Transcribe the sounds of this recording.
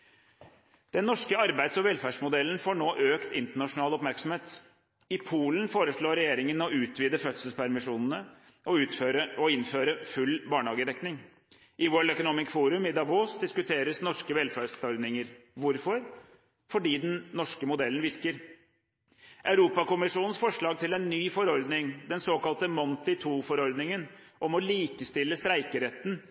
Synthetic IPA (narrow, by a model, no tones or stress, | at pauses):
d̪̥ɛnːɔʂkəɑɾbæɪsɔʋɛlfæːʂmʊd̪ɛlːənfoːɳoːʔøːkt̪ɪnt̪əɳɑʂʊnɑːlɔpmæɾksɔm̩heːt̪ | ɪpʰuːlənfoːɾəʂɭoːɾɛjeːɾɪŋənɔʉːt̪ʰʋiːd̪əfœt̪səlspʰæɾmɪʂuːnn̩ə | ʔɔʉːt̪føɾəɔɪnføːɾəfʉlːbɑːɳəhɑːɡəd̪ɛknɪŋ | ʔɪʋoːlœkʊnoːmɪskfuːɾʉmɪd̪ɑboːsd̪ɪskʉt̪ʰeːɾəsnɔʂkəʋɛlfæːssɔɾd̪nɪŋəɾʋʊɾfɔɾ | fɔɖiːd̪ɛn̩nːɔʂkəmʊd̪ɛlːən̩ʋɪɾkəɾ | ʔɑʉɾuːpɑkʊmɪʂuːnənsfɔʂɭɑːɡt̪ɪlɛnːyːfɔɾɔɾd̪nɪŋd̪ɛnsoːkɑlt̪əmɔnt̪ɪt̪ʰuːfɔɾɔɾd̪nɪŋən | ʔɔmɔliːkəst̪ɪlːəst̪ɾæɪkəɾɛt̪ːn̩